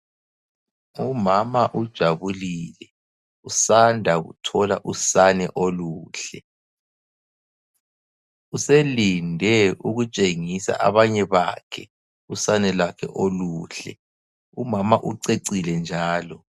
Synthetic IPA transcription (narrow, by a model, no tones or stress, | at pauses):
umamaʔud̥ʒ̥ʱaβulilɛ | usandʱaɣṵtʰɔlaʔusanɛ̰ʔoluːɬɛ | uselindʱɛuɣut͡ʃʼeŋisa̰ʔa̰βaɲɛβa̰kʰɛ | usanɛlakʰɛ̰ʔoluɬɛ | umamaʔuǀeǀilɛnd͡ʒʱaːlɔ